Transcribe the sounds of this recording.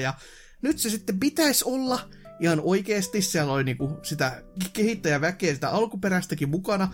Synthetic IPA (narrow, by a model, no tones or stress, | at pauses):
jɑ | nyt̪sesit̪ːempit̪æisolːɑ | ʔihɑnoikeːst̪issiælolʲniːkusit̪ækehit̪ːæjæʋækeːsi̥t̪æ̰ʔɑlkupeɾæst̪ækimmukɑnɑ